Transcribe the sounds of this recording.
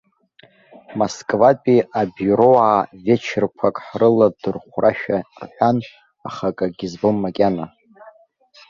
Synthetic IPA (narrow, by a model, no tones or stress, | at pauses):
moskʼvapʼiabjuɾo̞aːvet͡ʃʰɪrkʷʰakʼħrɨladɨrχʷraʃᶣarħʷᶣan | aχakʼaɡʲizbomːakʲʼana